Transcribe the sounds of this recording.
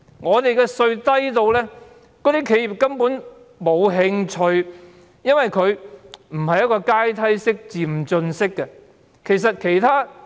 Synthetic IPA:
ŋɔː˨˧t̪e˨jkɛː˧sɵ˧ɥt̪ɐ˥jt̪o˧wlɛː˥ | kɔː˧˥t̪i˥kʰe˨˧ji˨p̚kɐ˥mpuː˨˥n | mo˨˧wɦɪ˧ŋt͡ʃʰɵ˧ɥ | jɐ˥nwɐ˨jkʰɵ˨˧ɥm̩˨˩hɐ˨jːɐ˥t̚kɔː˧kaː˥jt̪ʰɐ˥jsɪ˥k̚t͡siː˨˩m̩˨t͡ʃɵ˧nsɪ˥kːɛ˧ | kʰe˨˩jsɐ˨t̚kʰe˨˩jt̪ʰaː˥

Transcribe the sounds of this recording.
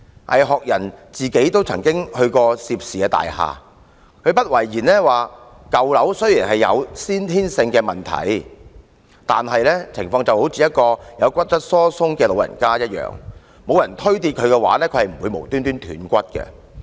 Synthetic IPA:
ʔɐ̰˨jɦɔː˨k̚jɐ˨˩nt͡siː˨˩ke˨˥jt̪o˥wt͡sʰɐ˨˩ŋkɪ˥ŋhɵ˧ɥkɔː˧si˨p̚siː˨ɛː˧t̪a̰ː˨jha̰ː˨ | kʰɵ˨˧ɥpɐ˥t̚wɐ˨˩jjiː˨˩nlɛː˥waː˨˩ | kɐ˨wlɐ˨˥wsɵ˥ɥjiː˨˩nhɐ˨jjɐ̰˨˧wsiː˥nt̪ʰiː˥nsɪ˧ŋkɛː˧mɐ˨nt̪ʰɐ̰˨˥j | t̪aː˨nɦɐ˨jlɛː˥t͡sʰɪ˨˩ŋfɔː˧ŋt͡sɐ˨who˨˥wt͡siː˨jɐ˥t̚kɔː˧jɐ˨˧wkʷɐ˥t̚t͡sɐ˥t̚sɔː˥sʊ˥ŋkɛː˧lo˨˧wjɐ̰˨˩nkaː˥jɐ˥t̚jœ̰ː˨ŋ | mo˨˧wjɐ˨˩nt̪ʰɵ˥ɥt̪̬i˧t̚kʰɵ˨˧ɥkɛː˧wa̰ː˨˥lɛː˥kʰɵ˨˧hɐ˨˩m̩˨˩wu˨˧jmo˨˩wt̪yː˥nt̪yː˥nt̪ʰy̰ː˨˥nkʷɐ˥t̚kɛ̰˧

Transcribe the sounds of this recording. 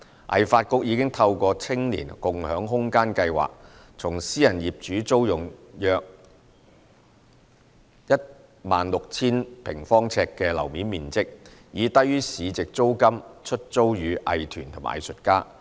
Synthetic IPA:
ʔɐ̰˨jfaː˧t̚kʊ˧˥k̚jiː˨˧kɪ˥ŋt̪ʰɐ˧wkʷɔː˧t͡sʰɪ˥ŋnḭː˨˩nkʊ˨ŋhœː˨˥ŋɦʊ˥ŋkaː˥nkɐ˧jwa̰ː˨˩k̚ | t͡sʰʊ˨˩ŋsiː˥jɐ˨˩njiː˨p̚t͡ʃyː˨˥t͡so˥wjʊ˨˩ŋjœː˨˧k̚ | jɐ˥t̚ | maː˨nlʊ˨k̚t͡sʰiː˥npʰɪ˨˩ŋfɔː˥ŋt͡sʰɛː˧kːɛː˧lɐ̰˨˩wmiː˨˥nmiː˨˩nt͡sɪ˥k̚jiː˨˧t̪ɐ˥jyː˥siː˨˧t͡sɪ˨k̚t͡so˥wkɐ˥mt͡ʃʰɵ˥t̚t͡so˥wjyː˨˧ʔɐ̰˨jt̪ʰyː˨˩nt̪ʰʊ˨˩ŋʔɐ̰˨jsɵ˨t̚kaː˥

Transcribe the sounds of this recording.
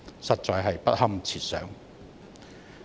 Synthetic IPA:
sɐ˨t̚t͡sɔː˨jɦɐ˨jpɐ˥t̚hɐ˥mt͡sʰiː˨˩t̚sœː˨˥ŋ

